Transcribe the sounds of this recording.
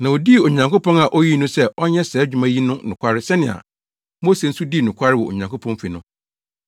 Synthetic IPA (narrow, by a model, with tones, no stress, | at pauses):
nã˨ɔ˨di˦˨o˨ɲã˨ŋko˦pʰɔ̃˦na˨ʔɔ˦ji˦nʊ̃˦sɛ˦ʔɔ˦ɲɛ˦sɛː˨˦d͡ʑᶣu˨mã˦ji˦nʊ̃˦nʊ̃˨kʷʰa˦ɾɪ˦sɛ˦nɪ̃˨a̰˨ | mo˦se˨n̩˦su˦di˦˨nʊ̃˨kʰʷa˦ɾɪ˦wɔ˨o̰˨ɲã˨ŋkʰo˦pʰɔ̃˦n˦fi˨nʊ̃˦